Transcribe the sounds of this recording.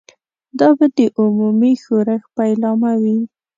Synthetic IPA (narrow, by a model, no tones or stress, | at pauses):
d̪ɑbad̪əʔʊmumixoɾaxpajlɑmawi